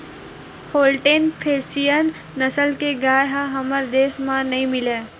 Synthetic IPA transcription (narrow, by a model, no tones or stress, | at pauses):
hoːlʈenpʰeːsijənː | ɐsəlkeɡaːjɦãɦɐməɾd̪eːsmãnɐɦĩmɪleː